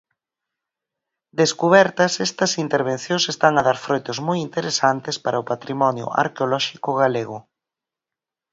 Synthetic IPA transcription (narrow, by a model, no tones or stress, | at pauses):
d̪eskuβɛɾt̪ɐsɛst̪ɐsint̪eɾβ̞enθjõŋsest̪aŋaðaɾfɾojt̪ozmojint̪eɾesant̪espaɾɐʊpat̪ɾimɔnjʊ̰ʔa̰ɾkeolɔʃikʊɣaleɣʊ